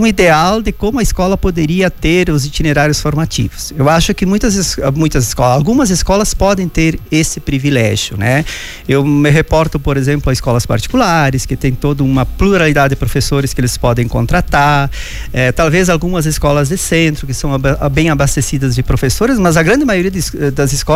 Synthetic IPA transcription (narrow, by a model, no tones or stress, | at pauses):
ũid̪eawd̪ɪkõmʊɐiskɔlɐpod̪eɾiɐt̪eɾʊzit͡ʃ̪ineɾaɾjʊsfoɾmat͡ʃ̪ḭvʊsewaʃʊkɪmũj̃t̪ɐzmũj̃t̪ɐzɪskɔlalɡũmɐzeskɔlɐspɔd̪ẽj̃t̪eɾesɪpɾivilɛ̰ʒjʊ̰nɛ | ewmɪɦepɔɾt̪ʊpoɾezẽmplʊɐiskɔlɐspa̰ɾt͡ʃ̪i̥kulaɾɪskɪt̪ẽj̃t̪od̪ʊũmɐpluɾalid̪ad̪ɪd̪ɪpɾofesoɾɪskɪelɪspɔd̪ẽj̃kõ̰nt̪ɾat̪aɾ | ɛt̪awvezalɡũmɐzeskɔlɐzd̪ɪsẽnt̪ɾʊkɪsɐ̃w̃bẽj̃abast̪esid̪ɐzd͡ʒɪpɾofesoɾɪzmɐzɐɡɾɐ̃nd̪ɪmajoɾiɐd̪ɪd̪ɐzɪskɔ